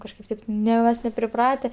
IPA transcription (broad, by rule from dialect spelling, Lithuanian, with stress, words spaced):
kɐʃˈkɐɪp tɐɪp ˈnʲɛ mɐs nʲɛpʲrʲɪˈprɑːtʲɛ